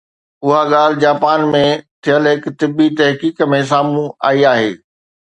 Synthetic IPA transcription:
ʊɦaɠaːl̤ɪ̆d͡ʑaːpaːnmẽt̪ʰijəlɦɪkt̪ɪbːit̪ɐɦkiːkmẽs̬aːmũa̰ːiaːɦḛː

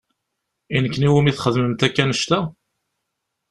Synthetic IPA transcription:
inəkːəniwəmiθχəðməmt̪ækːænəʃt̪æ

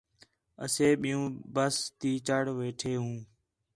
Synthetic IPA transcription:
ə̰seːɓɪjũːbəst̪iːt͡ʃəɽʋeːʈʰeːɦũː

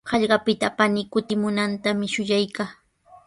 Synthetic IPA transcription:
hɑʎɢɑpɪt̪apanɪkʊt̪ɪmʊnant̪amɪʃʊjajkaː

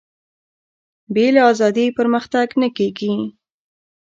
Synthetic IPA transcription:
belɑzɑd̪ipəɾməxt̪aɡnəkeɡi

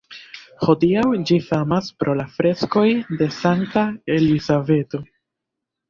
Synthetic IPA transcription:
ho̞diawd͡ʒifamaspɾo̞lafɾe̞sko̞jde̞saŋtae̞lizave̞to

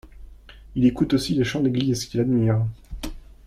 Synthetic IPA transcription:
ilekut̪osileʃɑ̃d̪eɡlikʲilad̪miːʁ

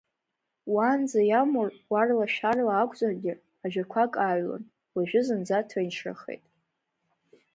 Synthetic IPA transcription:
wand͡zajamurwarlaʃᶣarlaːkʷʰʼzʼarɡʲɪ | aʒᶣarkʷʰakʼaɥla̰n | laʒᶣʊzɨnd͡zatʰajnʂʰra̰χḛjtʼ

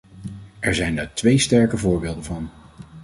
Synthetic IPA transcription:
ɛɹzɛjndaɹtʋejstɛɹkəvʊːɹbeːlˠdəvɑn

